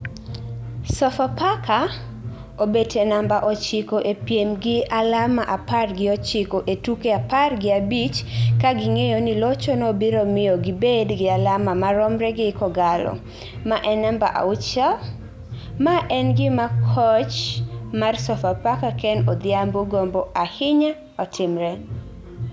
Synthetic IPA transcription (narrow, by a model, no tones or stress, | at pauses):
sɔfapaka | obetʰɛnambaʔɔt͡ʃɪkoʔepjemɡɪalamaʔaparɡɪɔt͡ʃɪkoʔetukeaparɡɪabit͡ʃkaɡɪŋejonɪlɔt͡ʃonɔbiɾomɪjoɡɪbedɡɪalamamaɾɔmɾɛɡɪkɔɡalɔ̰ | maʔɛnamba̰ʔa̰ʊt͡ʃa | maʔɛnɡɪmakʰɔt͡ʃmarsɔfapakakɛnɔd̪ɪamboɡombɔahɪɲa | ɔtʰɪmɾɛ